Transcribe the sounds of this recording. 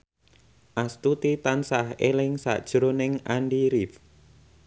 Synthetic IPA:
ʔast̪ut̪it̪ansahelɪŋsa̰ʔd̥ʒ̥ɾonɪŋanɖiɾif

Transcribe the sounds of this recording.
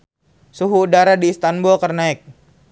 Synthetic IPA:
suɦuːdaɾadiːst̪anbulkərnaɪk̚

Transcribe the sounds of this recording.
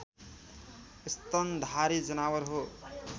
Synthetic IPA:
ist̪ʌnd̪ʱaɾid͡zʌnawʌɾɦo

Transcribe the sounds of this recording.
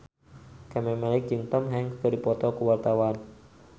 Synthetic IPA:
kamɛmalɪk̚d͡ʒɨŋt̪əmɦɛŋkədipɔt̪ɔkuwart̪awan

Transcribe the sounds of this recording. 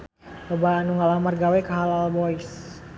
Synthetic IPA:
lɔbaːnuŋalamarɡawɛkaɦalalbɔis

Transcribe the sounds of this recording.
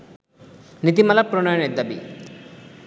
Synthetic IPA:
nit̪̬imalapɾoɳɔjɔned̪ːabḭ

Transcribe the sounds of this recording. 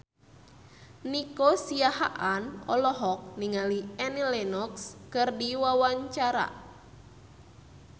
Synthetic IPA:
nikosiaɦa̰ʔanɔ̰lɔɦɔk̚niŋaliɛnilɛnɔkskɨrdiwawaɲt͡ʃaɾa̰

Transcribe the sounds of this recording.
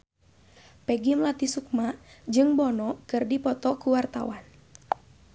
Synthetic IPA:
pɛɡimlat̪isuk̚mad͡ʒɨŋbɔnɔkɨrdipɔt̪ɔkuwart̪a̰wan

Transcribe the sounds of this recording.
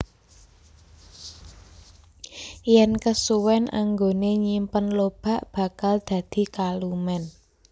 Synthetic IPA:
jɛnkəsuwɛnʔa̰ŋɡoneɲimpənlob̥ä̤ʔb̥ä̤kald̪̥ä̤d̪̥i̤kalumɛn

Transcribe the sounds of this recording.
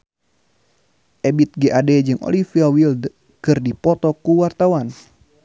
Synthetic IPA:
ʔɛbit̪̚ɡɛʔadɛd͡ʒɨŋo̰lifiawild | kɨrdipɔt̪ɔkuwart̪awan

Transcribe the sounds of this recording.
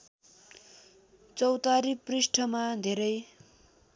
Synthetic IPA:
t͡sʌwt̪aɾiprisʈʰʌmad̪ʱeɾʌj

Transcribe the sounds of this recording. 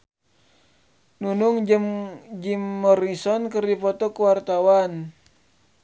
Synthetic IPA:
nunuŋd͡ʒəmd͡ʒimːɔɾisɔnkɨrdipɔt̪ɔkəwart̪awan

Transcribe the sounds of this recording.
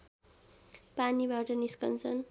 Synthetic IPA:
panibaʈʌniskʌ̰nt͡sʰʌn

